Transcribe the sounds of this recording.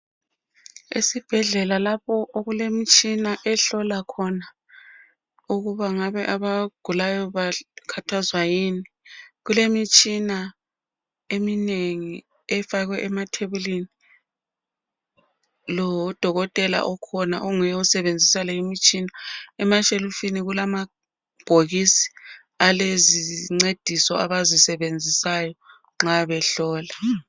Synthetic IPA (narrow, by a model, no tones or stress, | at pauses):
ḭsib̥ʱɛɮɛlalapʰɔʔoɣulemit͡ʃʼinaʔɛɬɔlakʰɔna | uɣuβaŋaβɛʔaβaɡ̥ʱulajɔβakʰatʰazwajini | ɣulemit͡ʃʼina | emineŋi | ɛfaɣwɛʔɛmatʰeβulini | lɔwɔd̥ʱɔɣɔtʼɛla̰ʔɔkʰɔna̰ʔoŋujɛusɛβend͡zʱisalɛimit͡ʃʼinaɛmaʃelufiniɣulama | b̥ʱoɣisi̥ | aleziŋ͡ǀed̥ʱisɔ̰aβazisɛβend͡zʱisajɔ | ŋ͡ǁaβɛɬɔːla